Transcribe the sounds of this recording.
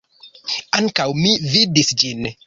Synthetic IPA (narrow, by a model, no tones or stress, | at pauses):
aŋkawmividisd͡ʒin